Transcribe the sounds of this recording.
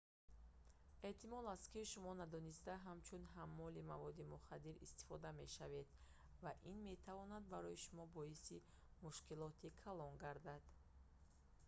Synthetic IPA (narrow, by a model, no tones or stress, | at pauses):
e̞t̪ʰimɔlaskiʃumɔnad̪ɔnist̪aɦamt͡ʃʰunɦamːɔlimavɔd̪imuχad̪ːiɾḭst̪i̥fɔd̪ame̞ʃave̞d̪ | vaʔinme̞t̪ʰavɔnad̪̚baɾɔjiʃumɔbɔisi | muʃkilɔt̪ʰikʰalɔŋɡaɾd̪ad̪̥